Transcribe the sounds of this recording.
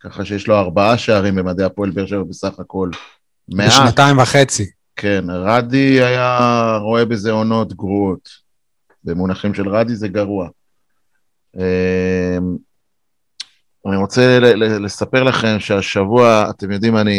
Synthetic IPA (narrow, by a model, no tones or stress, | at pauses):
kaχaʃejeʃlo̞aʁbaaʃeaʁimbemad̪e̞apoelbeʁʃavabesaχako̞l | meʔʃanataimvaχet͡si | kʰe̞nʁadiajaʁo̞e̞be̞ze̞o̞no̞t̪ɡʁuo̞t̪ | be̞munaχimʃe̞lʁadize̞ɡaʁua | em | aniʁo̞t͡sellele̞sape̞ʁlaχe̞mʃeaʃavuaa̰te̞mjo̞d̪imani